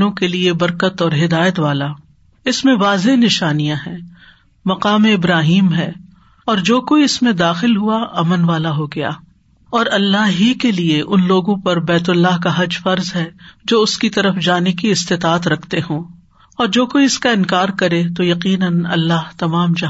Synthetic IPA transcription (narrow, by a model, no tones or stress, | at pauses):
õkeliebɐɾkət̪ɔːɾɦɪd̪aːjət̪ʋaːla | ɪsmẽʋaːzenɪʃaːnijãɦɛ̃ː | mɐqaːmeɪbɾaːɦiːmɦɛː | ɔːɾd͡ʒoːkoiɪsmẽd̪aːxɪlɦuaɐmənʋaːlaɦoɡɐja̰ː | ɔːɾɐlːaɦɦikelieʔʊnloːɡõpɐɾbɛːt̪ʊlːaɦkaɦɐd͡ʒfɐɾzɦɛd͡ʒoːʊskit̪ɐɾəfd͡ʒaːnekiɪst̪ɪt̪aːt̪ɾɐkʰt̪eɦõː | ɔːɾd͡ʒoːkoiɪskaɪ̃nkaːɾkɐɾet̪ojɐqiːnənɐ̰lːaːɦt̪ɐmaːmd͡ʒɐ